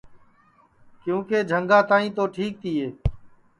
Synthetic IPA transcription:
kjũːkeːd͡ʒʱəŋɡaːt̪aːĩːt̪oːʈʰiːk̚t̪ʰiːeː

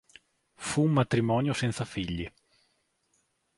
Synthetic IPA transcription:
fuːmːat̪ɾimɔːnjosɛnt̪safiʎːi

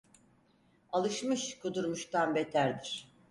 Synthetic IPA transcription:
alˠɯʃmɯʃkʰud̪uɾmuʃt̪ʰanbet̪ʰæɾd̪iɾ̥

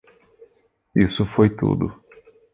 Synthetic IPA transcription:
isʊfojt̪ṵd̪ʊ̰

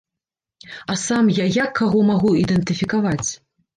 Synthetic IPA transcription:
asamjajakːaɣɔmaɣuid̪ɛnt̪ɨfʲikavat͡sʲ

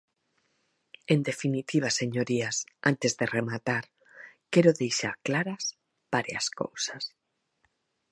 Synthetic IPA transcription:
end̪efinit̪iβ̞aseɲoɾiasant̪ezðeremat̪aɾ | kɛɾoðejʃa̰ɾklaɾas | b̥aɾja̰sko̰wsas

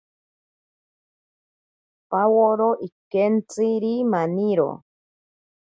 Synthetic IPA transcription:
pawoɾoʔikent͡siɾimaniɾo̰

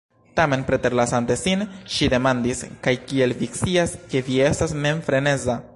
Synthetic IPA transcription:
tame̞npɾe̞te̞ɾlasante̞sinʃide̞mandiskajkie̞lvikt͡siaske̞vie̞stasme̞nfɾe̞ne̞za

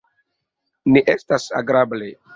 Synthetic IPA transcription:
niʔestasa̰ɡɾable

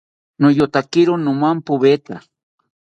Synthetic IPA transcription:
nojot̪akɪɾonʊmampʊβet̪a̰

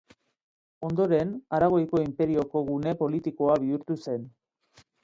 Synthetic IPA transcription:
o̞nd̪o̞ɾe̞naɾaɣ̞o̞jko̞impe̞ɾio̞ko̞ɣune̞po̞lit̪iko̞aβiuɾt̪use̞n

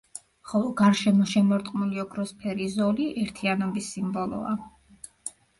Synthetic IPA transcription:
χɔlˠɔɡaɾʃɛmɔʃɛmɔɾt̪ʼqʼnuliɔkʰɾɔspʰɛɾizɔliʔɛɾt̪ʰianɔbisːimbɔlˠɔ̰a̰

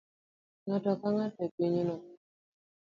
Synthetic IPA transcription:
ŋatɔkaŋatɛkiɲnɔ

